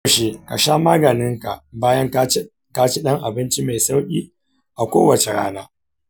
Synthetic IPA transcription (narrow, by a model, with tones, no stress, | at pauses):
ʃeː˦ka̰˨ʃaː˦maː˦ɡɐ˨nɪ˦ŋka̰˨ʔbaː˦jɐ˦ŋ˦ | ka˦t͡ʃi˦ɗɐ˦ŋʔa˨bɪ˦nt͡ʃi˦ma˨jsa˦wkʲʼiː˦ | ʔa˨kʷo̰ː˦wɐ˨t͡ʃe˨ɽa̰ː˦naː˦